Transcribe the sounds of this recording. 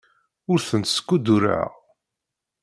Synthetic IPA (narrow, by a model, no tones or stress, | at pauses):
ʊɾθənt̪sə̥kʷːud̪uɾa̰ʁ